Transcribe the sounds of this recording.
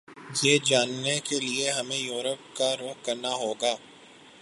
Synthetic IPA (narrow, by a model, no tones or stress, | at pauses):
jeːd͡ʒaːnːekelieɦɐmẽjuːɾəp̚kaɾoːɦkɐɾnaɦoːɡaː